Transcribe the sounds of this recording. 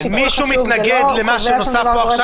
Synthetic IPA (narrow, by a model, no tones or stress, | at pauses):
miʃumit̪naɡed̪lemaʃuno̞safboaχʃa